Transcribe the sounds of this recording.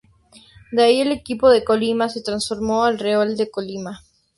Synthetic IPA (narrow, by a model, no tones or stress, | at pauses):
d̪eaiele̞kipo̞ðe̞kolimase̞t̪ɾansfo̞ɾmoalreold̪ekolima